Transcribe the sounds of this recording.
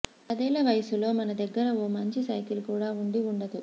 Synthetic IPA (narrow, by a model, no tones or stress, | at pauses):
ɐd̪ɛːlɐʋɐjɐsulo̞ːmɐnɐd̪ɐɡːɐɾɐoːmɐɲt͡ʃisɐjkilukuːɽaːuɳɖiuɳɖɐd̪u